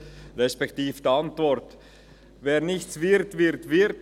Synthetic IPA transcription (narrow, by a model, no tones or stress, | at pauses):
ɾɛspɛktiːfd̥iɑntvɔɾt | veːɾnɪçt͡svɪɾtvɪɾtvɪɾt